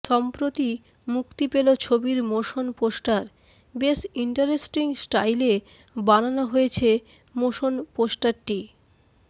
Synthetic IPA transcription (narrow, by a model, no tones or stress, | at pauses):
ʃɔmpɾot̪i | mukt̪ipelot͡ɕʰobiɾmoʃonposʈaɾ | besiɳʈaɾesʈiŋsʈajle | bananoɦojet͡ɕʰe | moʃonposʈaɾʈi